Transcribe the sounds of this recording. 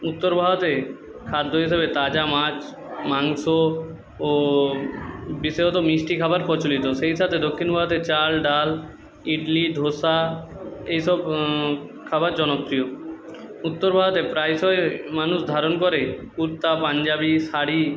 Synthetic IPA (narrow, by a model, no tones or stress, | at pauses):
ut̪ːoɾbʱaɡot̪e | kʰad̪ʱːoɦiʃeβet̪ad͡ʑamat͡ɕ | maŋso | o | biseɦot̪omiʃʈikʰabaɾpɔɾt͡ɕolit̪oʃeɦiʃʰat̪ʰed̪okʰːinbʱaɡot̪et͡ɕalɖal | iɖliɖ̪ʱoʃa | ejʃɔb | kʰabaɾd͡ʑɔnokːɾio | ut̪ːoɾbʱaɡot̪epɾajsɔemanuʃd̪ʱaɾonkoɾe | uɾt̪ːapand͡ʑabiʃaɽi